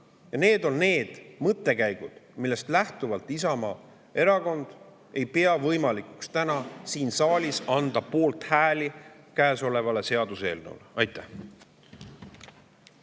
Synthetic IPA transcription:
jɑne̞ːd̪o̞nne̞ːd̪̥mɤt̪ːˑe̞kæjɡ̥ud̪̥milːe̞st̪læht̪uvɑlt̪ˑisɑmɑ | e̞ɾɑko̞nd̪̥ | e̞jpeɑvɤjmɑlikukst̪ænɑsiːnsɑːlʲisɑnd̪̥ɑpo̞ːlt̪hæːlikæːso̞le̞vɑle̞se̞ɑd̪̥use̞ːlnṵlɑjt̪ːˑæh

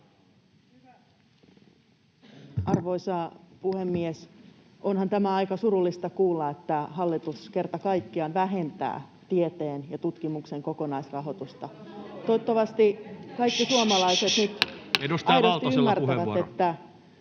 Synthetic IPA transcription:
ʔɑrʋoisɑpuhemːies | ʔonhɑnt̪æmæɑikɑsuɾulːist̪ɑkuːlːɑet̪ːæhɑlːit̪uskert̪ɑkɑikːiɑnʋæɦe̞nt̪æ̰ːt̪iet̪eːnjɑt̪ut̪kimukseŋkokonɑisrɑɦot̪ust̪ɑt̪ot̪ːɑʋɑst̪ikɑikːisuɑmɑlɑiset̪nyt̪ | ɑjɾost̪iymːærtæʋæet̪ːæ

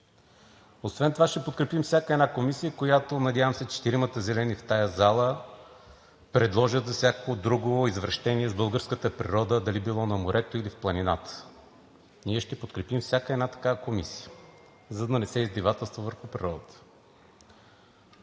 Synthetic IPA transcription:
osvɛnt̪ovaʃt̪ɛpot̪̚kɾɛpimfsʲjakəɛd̪nakomisijəkojat̪onɐd̪ʲjavəmsɛt͡ʃɛ̥t̪iɾimət̪əzɛlɛnift̪ajəzalˠə | pɾɛd̪lˠɔʒət̪zɐfsʲakəkod̪ɾuɡooizvɾɐʃt̪ɛniɛzbɤlˠɡəɾskət̪əpɾḭɾɔd̪əd̪ɐlibilˠɔnɐmoɾʔɛt̪oilifplˠɐninat̪ə̥ | niɛʃt̪ɛpot̪kɾɛpimfsʲakəɛd̪nat̪ɐ̥kavəkomisi̥jə | zɐd̪ɐnɛsɛizb̪ivat̪ɛlˠst̪vovəɾxʊpɾʲiɾɔd̪ət̪ə̥

